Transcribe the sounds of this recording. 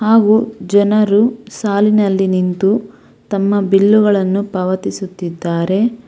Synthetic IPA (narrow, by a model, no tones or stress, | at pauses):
haːɡud͡ʒɐnɐɾusaːlinɐlːinint̪u | t̪ɐmːɐbilːuɣɐɭɐnːupɐʋɐt̪isut̪ːid̪ːaːɾe̞